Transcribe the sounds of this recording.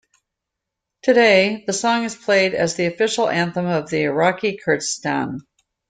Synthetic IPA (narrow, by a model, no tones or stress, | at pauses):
tʰɨɾeɪðɨsɔ̃ŋɨz̥pʰl̥eɪɾɨ̰zðiɨfɪʃl̩ˠæ̃nθə̃mʌvðiəɹɑkikʰɜ˞tstæ̰̃n